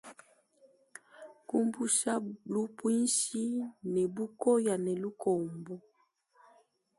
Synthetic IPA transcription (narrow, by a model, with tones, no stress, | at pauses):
ku˦mbu˦ʃa˦lu˦pwi˦n˦ʃi˦nɛ˨bu˦ko˦ja˨nɛ˨lu˦kʰɔ˨mbɔ˦